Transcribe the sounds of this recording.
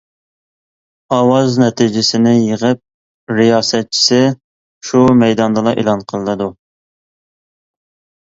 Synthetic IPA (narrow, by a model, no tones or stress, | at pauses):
ɑwɑznɛt̪ʰid͡ʒɪsɪnɪjəʁəp̚ | ɾijɑːsɛt̪̚t͡ʃʰi̥sɪ | ʃumɛjd̪ɑnd̪ɨlˠɑʔḛlˠɑnqʰəlˠɨnɨd̪u